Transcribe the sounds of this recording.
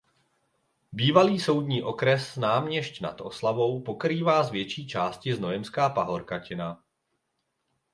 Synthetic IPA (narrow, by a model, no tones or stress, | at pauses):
biːvaliːso̞wdɲiːʔo̞kɾɛsnaːmɲɛʃcna̰t̪ʔo̞slavo̞wpo̞kɾiːvaːzvjɛt͡ʃiːt͡ʃaːscɪzno̞jɛmskaːpaɦo̞ɾkacɪna